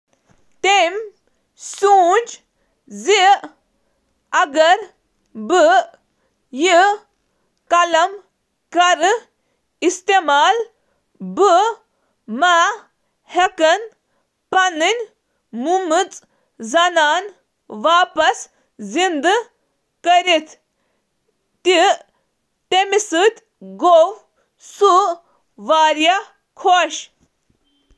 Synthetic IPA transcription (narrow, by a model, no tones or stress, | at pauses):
t̪em | suːnd͡ʒ | zi | ɐɡɐɾ | bɨ | ji | kɐlɐm | kɐɾɨ | ist̪emaːl | bɨ | maː | hekɐn | pɐnɨnʲ | mumɨt͡sʼ | zɐnaːn | ʋaːpɐs | zind̪ɨ | kəɾit̪ | t̪i | temisɨt̪ʲ | ɡow | su | ʋaːɾija | kʰoʃ